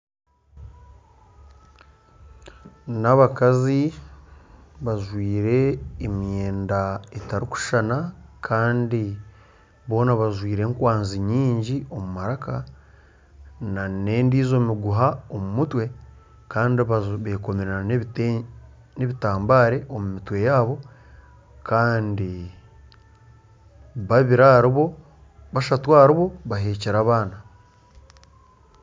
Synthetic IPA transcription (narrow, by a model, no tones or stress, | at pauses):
naβakazi | βaʒwiːɾe̞ːmjeːndaetaɾiku̥ʃanakʰaːndi | βo̞ːnaβaʒwiːɾe̞ŋkwaːnziɲiːɲɟio̞mumaɾaka | naneːndiːzo̞ːmiɡuɦao̞mumutwe̞ | kaːndiβaβe̞ːko̞meɾa | ne̞βitaːmbaːɾe̞ʔo̞mumitwe̞jaːβo̞ | kʰaːndi | βaβiɾaɾβo | βaʃatwaːɾiβo̞βaɦe̞ːceɾaβaːna